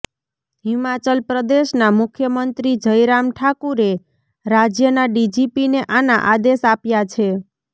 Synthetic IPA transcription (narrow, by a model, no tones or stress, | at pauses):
ɦimat͡ʃəlpɾəd̪eʃnamʊkʰjəmənt̪ɾid͡ʒəjɾamʈʰakuɾe | ɾad͡ʒjənaɖid͡ʒipineʔanaʔad̪eʃapjat͡ʃʰe